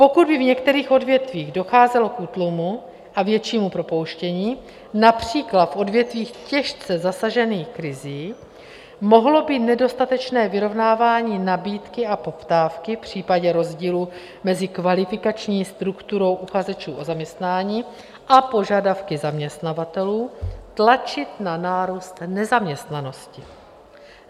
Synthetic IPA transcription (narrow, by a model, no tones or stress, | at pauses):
po̞kud̪̚bɪvɲɛkt̪ɛɾiːxo̞dvjɛt̪viːɣdo̞xaːzɛlo̞kʔut̪lumu | ʔavjɛt͡ʃiːmupɾo̞po̞wʃcɛɲiː | napr̝̥iːklat̪fʔo̞dvjɛt̪viːxcɛʃt͡sɛzasaʒɛniːxkɾɪziː | mo̞ɦlo̞bit̪nɛdo̞st̪at̪ɛt͡ʃnɛːvɪɾo̞vnaːvaːɲiːnabiːt̪kɪapo̞ft̪aːfkɪfpr̝̥iːpaɟɛɾo̞zɟiːlu | mɛzɪkvalɪfɪkat͡ʃɲiːst̪ɾukt̪uɾo̞wʔuxazɛt͡ʃuːʔozamɲɛst̪naːɲiː | ʔapo̞ʒadafkɪzamɲɛst̪navat̪ɛluːt̪lat͡ʃɪt̪nanaːɾuːst̪nɛzamɲɛst̪nano̞scɪ